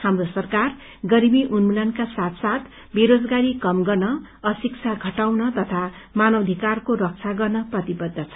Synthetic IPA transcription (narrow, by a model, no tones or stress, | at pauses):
hamrosʌrkar | ɡʌɾimiʔunmulankasat̪sat̪ | beɾod͡zɡaɾikʌmɡʌrnʌ | ʌsik̚t͡sʰaɡʱʌʈawnʌt̪ʌt̪ʰa | manʌd̪ʱikarkoɾʌk̚t͡sʰaɡʌrnʌprʌt̪ibʌd̪ʱːʌt͡sʰʌ